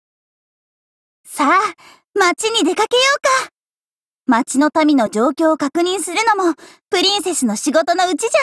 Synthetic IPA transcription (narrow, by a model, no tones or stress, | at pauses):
sa | mat͡ɕiɲ̟id̪e̞kake̞jo̞ːka | mat͡ɕino̞t̪amʲino̞d͡ʑo̞ːkʲo̞ːkakɯ̟ɲ̟ĩɰ̃sɨɾɯ̟no̞mo̞ | pɯ̟ɾʲĩɰ̃se̞sɨno̞ɕiɡo̞t̪o̞no̞ɯ̟t͡ɕiʑa